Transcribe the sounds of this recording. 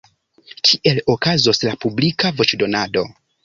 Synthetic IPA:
kʰiʔe̞lo̞kazo̞slapublikavo̞t͡ʃdo̞nado̞

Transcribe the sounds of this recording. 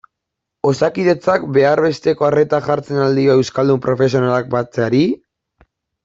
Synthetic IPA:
o̞sakiðe̞t͡sakbe̞aɾβe̞st̪e̞ko̞are̞t̪aʝaɾt͡se̞nald̪io̞e̞wskald̪umpɾo̞fe̞s̬io̞nalak̚bat͡seaɾi

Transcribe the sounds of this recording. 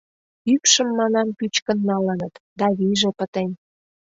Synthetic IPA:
ykʃə̆mːɑnɑmpyt͡ɕkə̆nːɑlənət̪d̪ɑβiʒĕpət̪en

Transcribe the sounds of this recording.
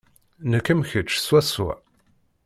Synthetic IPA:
nəkːəmçət͡ʃːswæsṵ

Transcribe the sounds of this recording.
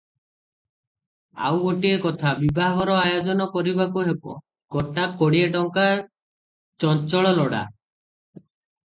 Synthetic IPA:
a̰wɡoʈiekɔt̪ʰabibʱaɦɔɾɔajod͡ʒɔnɔkɔɾibakuɦebɔ̰ | ɡ̥ɔʈakːɔɽieʈɔŋkaɾ | t͡ʃɔnt͡ʃɔɭɔlɔɽa̰

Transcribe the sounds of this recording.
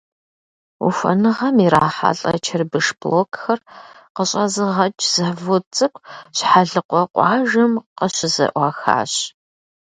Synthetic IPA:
ṵfʷɐ̰nɨʁɐmiɾaːħa̰ɬʼɐ̰t͡ʃʰɐrbɨʂb̥loːkʰxɐr | qəɕʼɐzɨʁɐt͡ʃʼz̥ɐħvʊt͡sʼɨkʷʰʼɕħaɮɨqʷɔqʷɑːʒɐmqəɕɪzɐ̰ʔʷɑːxa̰ːɕ

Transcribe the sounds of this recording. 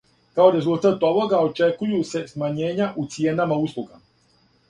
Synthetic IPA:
kao̞ɾe̞zulˠt̪at̪o̞ʋo̞ɡao̞t͡ʃe̞kujuse̞smaɲe̞ːɲaʔut̪sije̞namauslˠuɡa̰

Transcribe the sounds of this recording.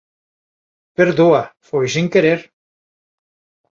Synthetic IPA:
peɾðoafojsiŋkeɾeɾ

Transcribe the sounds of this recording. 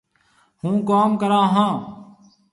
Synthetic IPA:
hũːkaːmkəɾãːɦãː

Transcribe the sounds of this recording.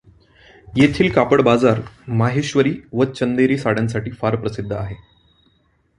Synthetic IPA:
jet̪ʰiːlkapəɽbad͡zaɾmaɦeɕʋəɾiːʋət͡ɕənd̪eɾiːsaɽ̤jans̬aʈiːfaɾpɾəsid̪ʱːəaɦe

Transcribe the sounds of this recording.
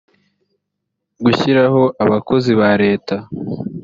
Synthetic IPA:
ɡuçiɾaɦo̞ʔaβako̞ziβaɾe̞ːta

